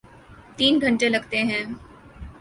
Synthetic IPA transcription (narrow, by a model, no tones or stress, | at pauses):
t̪iːnɡʱɐ̃ɳʈelɐɡt̪eɦɛ̃ː